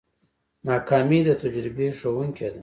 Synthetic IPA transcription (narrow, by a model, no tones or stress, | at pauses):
nɑːkɑːmid̪ət̪ad͡ʒɾɪbeʂowuŋkʰʲed̪a